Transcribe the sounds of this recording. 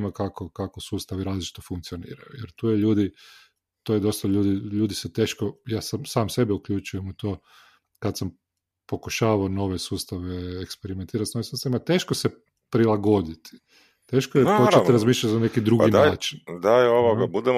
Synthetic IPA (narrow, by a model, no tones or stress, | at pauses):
makakokakosuːst̪aʋiɾaːzlit͡ʃi̥t̪ofuŋkt̪sio̞nḭːɾajujeɾt̪uːjeʎuːd̪i | t̪oːjed̪o̞st̪aʎuːd̪iʎuːd̪iset̪e̞ːʃkojaːsamsaːmse̞bɛukʎut͡ʃujemut̪oː | kad̪sam | po̞kuʃaːʋaono̞ʋesuːst̪aʋeekspeɾiment̪iːɾat̪noʋesuːst̪aimat̪e̞ːʃkose | pɾilˠaɡo̞d̪it̪ʰi̥ | t̪e̞ːʃkojepot͡ʃeɾazmiːʃʎat̪nane̞kid̪ɾuɡinaaːt͡ʃi̥nd̪aoʋoɡabud̪em